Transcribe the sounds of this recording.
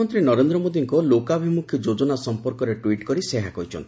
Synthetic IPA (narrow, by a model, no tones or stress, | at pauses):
ɔnt̪ɾinɔɾend̪ɾɔmod̪iŋkɔlokabʱimukʰjɔd͡ʒod͡ʒɔnasɔmpɔɾkɔɾeʈwiʈkɔɾiseɦakɔjt͡ʃʰɔ̰nt̪i